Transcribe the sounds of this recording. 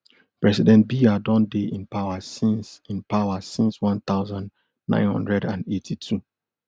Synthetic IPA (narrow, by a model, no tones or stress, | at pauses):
pɹɛsidɛ̃nt̚biadɔ̃ndeʔĩnpawasĩnsĩnpawasĩnswɔ̃nt̪aʊzãnd | nã̰ɪ̃nhʌ̰̃ndɹɛdãnetʰitʰu